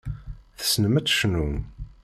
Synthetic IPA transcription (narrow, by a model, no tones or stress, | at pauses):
θə̥snəmət̪ːʃnun